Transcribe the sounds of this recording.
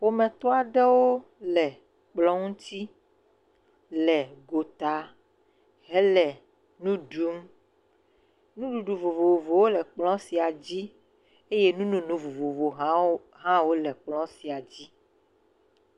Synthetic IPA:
ɸo˦mɛ̃˨t̪ɔ˦a˨ɖɛ˦wo˦ | lɛ˨ | k͡plɔ˦ŋũ˦t̪i˦ | lɛ˨ɡo˨t̪a˨ | ɦɛ˨˦lɛ˨ | nũ˦ɖu˦m | nũ˦ɖu˨ɖu˨vo˨vo˨vo˨vo˨wo˦lɛ˨k͡plɔ̃˦si˨a˨d͡ʑi˦ | e˦je˦nũ˦nũ˨nũ˨vo˨vo˨vo˨ɦa˦ | ɦã˦wo˦lɛ˨k͡plɔ̃˦si˨a˨d͡ʑi˦

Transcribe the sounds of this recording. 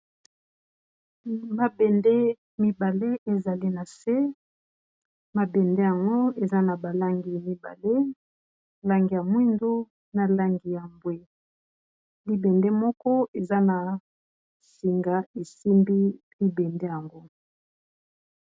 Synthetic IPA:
ma˨bɛ˨nde˦ | mi˦ba˨le˦e˨za˨li˦na˨se˦ | ma˨bɛ˨nde˦ja˨ŋɡo˦e˨za˦na˨ba˨la˦ŋɡi˨mi˨ba̰˨le˦ | la˦ŋɡi˨ja˨mwi˦ndo˦ | na˨la˦ŋɡi˨ja˨mbwe˦ | li˦bɛ˨nde˦mɔ˦kɔ˦e˨za˦na˨ | si˨ŋɡa˨e˨si˦mbi˦ | li˦bɛ˨nde˦ja˨ŋɡo˦

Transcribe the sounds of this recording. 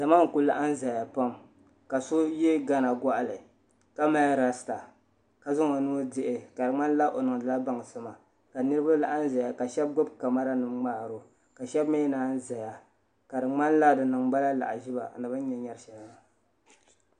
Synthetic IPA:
d̥a˨maː˦ŋ̩˨ku˦la˦ʔa˦n̩˦za˨ja˨pa˦m | ka˨so˦je˦ɡa˦na˨ɡa˦ʔa˨lɨ˨ | ka˦ma˦ɾa˨sta˨ | ka˨zʊ˦ŋa˨nu˦dɪ˦ʔɪ˨ka˨dɨ˨ŋ͡ma˦n˦la˦ʔo˨nɨ˨ŋ˨dɨ˨la˦ba˨ŋ˨sɨ˦ma˨ | ka˨nɨ˦ɾɨ˦ba˦la˨ʔa˦n˦za˨ja˨ka˨ʃɛ˦b̚ɡʊ˦bka˨ma˦ɾa˦nɨ˨mŋ͡maː˦˨ɾo˨ | ka˨ʃɛ˦bme˦naː˦n̩˦za˨ja˨ | ka˨dɨ˨ŋ͡ma˦n˦la˦˨dɨ˨nɨ˨ŋɡ͡ba˦la˦la̰˨ʔa̰˨ʒi˦ba̰˨nɨ˨bɨ˦n˦ɲɛ˨ɲɛ˦ɾʃɛ˨lba˨

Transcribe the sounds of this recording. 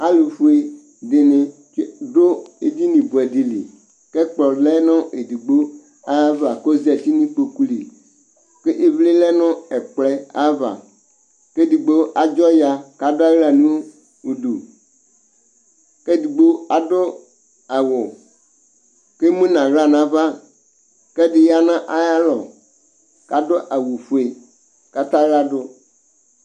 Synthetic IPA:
a˦lu˨fu˦e˦ | de˨nẽ˨˦ | do˦e˨d̪i˦nĩ˨bu˨ɛ˨di˨lḭ˨ | kɛ˦k͡plɔ˨lɛ˦nɔ̃˦ʔe˨di˨ɡ͡bo˦ | a˦va˨ko˦zɛ˨t̪i˦nĩ˦k͡po˨ku˦lḭ˨ | ke˦ʔe˨vle˦lɛ˦nɔ̃˦ɛ˨k͡plɛ˦a˦va̰˨ | ke˦di˨ɡ͡bo˦ʔa˨d͡ʒɔ˦ja˨ka˦da˦ɣla˨nũ˦ | u˨ɖu˨ | ke˦di˨ɡ͡bo˦a˨do˦ | a˨wo˨ | ke˦mũ˦nã˨ɣla˦nã˨va˦ | ke˦dɪ˨ja˦nã˦ʔa˦ja˦lɔ˨ | ka˨do˦ʔa˨wo˨ɸu˨e˨ | ka˦t̪ã˦ɣla˦ɖo˦

